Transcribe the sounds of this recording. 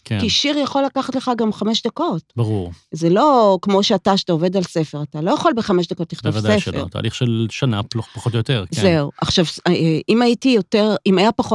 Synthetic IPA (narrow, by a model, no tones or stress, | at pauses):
kekiʃiʁjaχo̞lːakaχatleχaɡamχameʃd̪ako̞tbaʁuʁzelo̞kmo̞ʃeataʃḁtaove̞dalse̞fe̞ʁatalo̞jaχolbeχameʃd̪ako̞t̪ːiχt̪ovaseʃfleo̰ʁ̰t̪a̰ːliχʃelʃanapopaχotjoteʁkze̞uʔaχʃavimajitijoteʁimajapaχo